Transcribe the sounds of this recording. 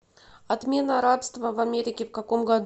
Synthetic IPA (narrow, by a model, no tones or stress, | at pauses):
ɐt̪mʲe̞nəɾapst̪vəvɐmʲeɾʲɪkʲɪfkɐko̞mɡɐd̪